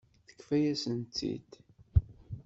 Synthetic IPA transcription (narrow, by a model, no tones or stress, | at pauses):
θə̥kːfæjæsənt̪ːḭd̪